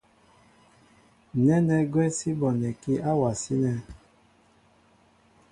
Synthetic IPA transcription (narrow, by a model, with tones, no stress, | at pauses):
nɛ˦nɛ˦ɡwɛ˦si˦bɔ˨nɛ˨ki˦ʔa˦wa˨si˦nɛ˨